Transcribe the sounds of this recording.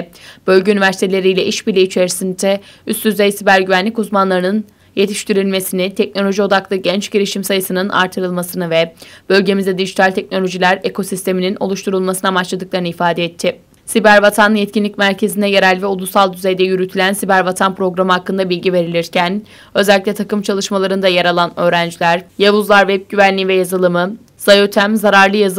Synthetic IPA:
b̥ø̞lʲɟeynivæɾsi̥t̪e̞lʲe̞ɾijlʲɛʔiʃbilʲiit͡ʃʰe̞ɾisint̪ʰɛyst̪d̪yzejsibæɾɟyvænlʲicuzmanlˠaɾɯnɯn | je̞t̪ʰiʃt̪ʰiɾilʲme̞sinɪt̪ʰɛc̚no̞lʲo̞ʒio̞d̪aklˠɯɟɛnt͡ʃɟiɾiʃimsajɯsɯnɯna̰ɾt̪ʰɯɾɯlˠmasɯnɯvɛb̥ø̞lʲɟe̞mizd̪ɛd̪iʒit̪ʰalʲt̪ʰɛc̚no̞lʲo̞ʒilʲæɾekʰo̞sist̪ʰe̞minino̞̰lˠuʃt̪ʰuɾulˠmasɯnamat͡ʃlˠad̪ɯklˠaɾɯnɯifaːd̪ɛɛt̪ʰːɪ | sibæɾvat̪ʰanjɛt̪̚cʰinlʲicmæɾcʰe̞zind̪ɛjeɾælʲvɛolˠusalˠd̪yzejd̪ɛjyɾyt̪ʰilʲænsibæɾvat̪ʰanpɾo̞ɡɾamɯɦakːɯnd̪abilʲɟive̞ɾilʲiɾcʰæn | ø̞zælʲːicʲlʲɛt̪ʰakɯmt͡ʃʰalˠɯʃmalˠaɾɯnd̪ajaɾalˠanø̞ːɾænd͡ʒlʲæɾjavuzlˠaɾvɛp̚ɟyvænlʲivɛjazɯlˠɯmɯ | z̥ajøt̪ʰæmzaɾaɾlˠɯjaz

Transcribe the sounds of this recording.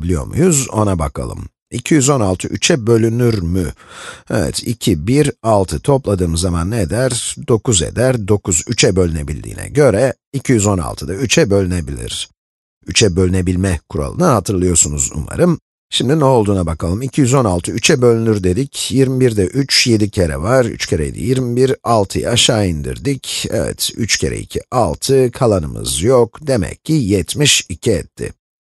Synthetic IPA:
lʲijo̞̰ɾmṵjuzo̞̰nabakʰa̰lˠɯ̰m | icʰijyzo̞nalˠt̪ʰɯʔyt͡ʃʰɛbø̞lʲynyɾmyɛvɛ̰t̪ʰḭcʰibiɾalˠt̪ʰɯt̪ʰo̞plˠad̪ɯːmɯzːamanːed̪æɾd̪o̞kʰuze̞̰d̪æɾd̪o̞kʰuzyt͡ʃʰɛbø̞lʲyne̞bilʲd̪ḭːnɛ̰ɟø̞ɾɛ | icʰijyzo̞na̰lˠt̪ʰɯd̪ayt͡ʃʰɛbø̞lʲyne̞bilʲḭɾ̥ | yt͡ʃʰɛbø̞lʲyne̞bilʲmɛkʰuɾa̰lˠɯ̰nahat̪ʰɯɾlˠɯjo̞ɾsunuzṵma̰ɾɯm | ʃimd̪inɛo̞lˠd̪uːnabakʰalˠɯmicʰijyzo̞nalˠt̪ʰɯyt͡ʃʰɛbø̞lʲnyɾd̪e̞d̪icjiɾmibiɾd̪ɛʔyt͡ʃje̞d̪icʰe̞ɾɛ̰vaɾy̰t͡ʃcʰeɾɛ̰ḭd̪ḭjiɾmibiɾalˠt̪ʰɯj̰aʃaːind̪ḭɾd̪icɛvɛ̰t̪yt͡ʃcʰe̞̰ɾɛ̰ḭcʰḭalˠt̪ʰɯkʰalˠanɯmɯ̰zjokd̪e̞mɛ̰cʰːijɛt̪miʃicʰiɛt̪ʰːɪ̰

